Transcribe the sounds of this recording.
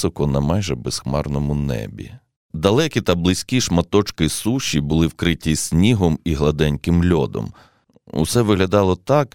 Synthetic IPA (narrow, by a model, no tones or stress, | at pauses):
ɔkɔnɐmɑjʒɛbɛsxmɑ̰rnɔmʊnɛ̰bʲḭ | d̪ɐlˠɛkʲit̪ɐblˠɪsʲkʲiʃmɐt̪ɔt͡ʃkɪsuʃʲːibʊlˠɪwkɾɪtʲːisʲnʲiɦɔmiɦlˠɐd̪ɛnʲkɪmlʲɔd̪ɔ̰m | ṵsɛʋɪɦlʲɐd̪ɑlˠɔt̪ɑk